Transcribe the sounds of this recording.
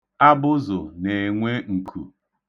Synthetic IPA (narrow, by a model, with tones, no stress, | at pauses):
a˦bʊ˦zʊ̰˨ne˨ŋʷe˦ŋ̩˨kʰṵ˨